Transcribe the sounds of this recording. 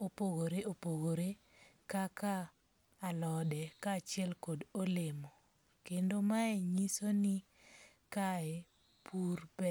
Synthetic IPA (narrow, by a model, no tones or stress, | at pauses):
opoɡoɾeʔopoɡoɾe | kakaː | lɔdɛkat͡ʃɪɛlkodolemo | kendomaɛɲisoni | kaɛ | pʰurbɛ